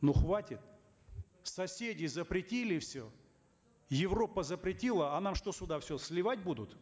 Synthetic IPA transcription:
nuxvatʲɪt̪̚ | sɐsʲedʲɪzəpɾʲɪtʲilʲɪfsʲɵ | jɪvro̞pːəzəpɾʲɪtʲilˠəɐnamʂt̪osʲʊd̪afsʲɵsʲlʲɪvatʲbud̪ʊt̪

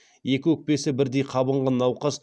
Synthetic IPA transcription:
je̞kʲɪwɵk̚pe̞sɪbɪɾd̪e̞jqʰɑbəɴʁɑnːɑwqɑz

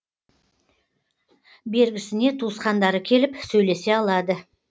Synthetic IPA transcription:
be̞ɾɡʲɪsɪne̞t̪ʰusqɑnd̪ɑɾəkʲʰe̞lɪpsɵjle̞se̞ɑlˠɑd̪ə

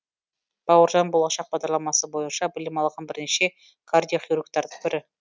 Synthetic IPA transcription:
b̥ɑwəɾʒɑnbo̞lˠɑʃɑq̚bɑʁd̪ɑɾlˠɑmɑsəbo̞jənʃɑbɪlɪmɑlˠʁɑnbɪɾneʃe̞ | kʰard̪ʲijoχijɾuk̚t̪ɑɾd̪əqb̪ʰɪɾɪ

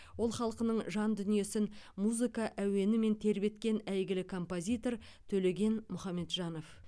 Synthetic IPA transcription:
wo̞lˠχɑlˠqənəɴʒɑnd̪ʏnije̞sɪnmuzɨkɑʔæwe̞nɪme̞nt̪ʰe̞ɾbe̞t̪kʲe̞næjɡʲɪlɪkʰo̞mpozʲijt̪o̞ɾ | t̪ʰɵle̞ɡʲe̞nmʊχɑmːe̞t̪ʒɑno̞f

